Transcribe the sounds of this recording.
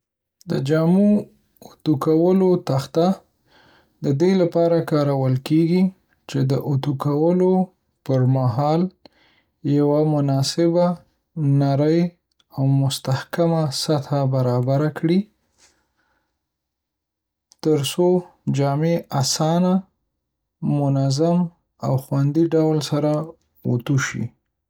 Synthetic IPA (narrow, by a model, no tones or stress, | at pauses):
d̪əd͡ʒamu | ʊt̪ukawəlot̪axt̪a | d̪əd̪elapɑɾakɑɾawəlkeɡi | t͡ʃed̪əʔut̪ukawəlo | pəɾmaɦɑl | jawamʊnɑsɪba | naɾəj | awmʊst̪ahkamasat̪ʰabaɾɑbaɾakɽi | t̪əɾsod͡ʒɑmeasɑna | mʊnazam | a̰wxwand̪iɖawlsaɾa | o̰t̪uʃḭ